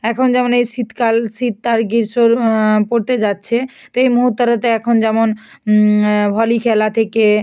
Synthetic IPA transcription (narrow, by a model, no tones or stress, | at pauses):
ɛkʰond͡ʑɛmonejʃit̪kalʃit̪ːaɾɡiɾʃoɾpoɾt̪ed͡ʑatːɕʰe | t̪oejmoɦut̪ːoɾat̪eɛkʰond͡ʑɛmon | bʱɔlikʰɛlat̪ʰeke